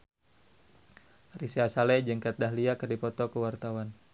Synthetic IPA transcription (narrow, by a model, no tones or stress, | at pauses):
risiasalɛd͡ʒəŋkat̪̚daɦliakərdipɔt̪ɔkəwart̪awan